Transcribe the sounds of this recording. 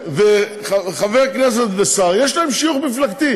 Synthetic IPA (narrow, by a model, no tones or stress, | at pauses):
ve | χaχavejaknes̬et̪besaʁje̞ʃlae̞mʃijuχmiflakt̪i